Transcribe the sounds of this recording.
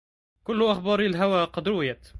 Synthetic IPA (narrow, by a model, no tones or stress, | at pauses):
kʊlːʊʔaxbɑːɾilɦawaːqɑd̪ɾuːjat̪